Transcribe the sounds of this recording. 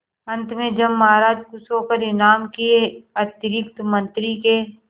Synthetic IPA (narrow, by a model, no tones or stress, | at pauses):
ɐ̃nt̪mẽd͡ʒɐmːɐɦaːɾaːd͡ʒkusoːkəɾɪnaːmkieɐt̪ɾɪkt̪mɐ̃nt̪ɾike